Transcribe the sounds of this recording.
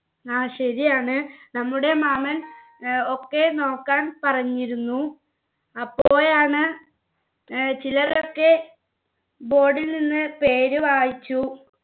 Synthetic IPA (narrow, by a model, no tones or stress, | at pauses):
aːɕɐɾijaːɳɨnɐmːuɽe̞maːmɐn | o̞kːe̞no̞ːkːaːnpɐrɐɲːiɾunːu | ɐpːo̞ːjaːɳɨ | t͡ɕilɐro̞kːe̞ | bo̞ːɖilninːɨpe̞ːɾuʋaːjit͡ɕːu